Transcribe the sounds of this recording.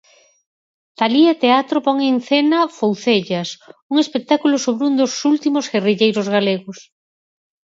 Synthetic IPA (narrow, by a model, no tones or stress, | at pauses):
t̪aliat̪eat̪ɾopɔŋeŋθenɐfowθeʎɐsuŋespek̚t̪akulʊsoβɾund̪osult̪imoseriʎejɾʊzɣaleɣʊs